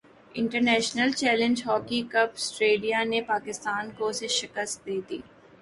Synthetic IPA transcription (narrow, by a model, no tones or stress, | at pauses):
ɪ̃ɳʈəɾnɛːʃnəlt͡ʃɛːlə̃ɲd͡ʒɦɔːkikɐpsʈɾeːlijanepaːkɪst̪aːnkoseʃɪkəst̪̚d̪eːt̪ḭː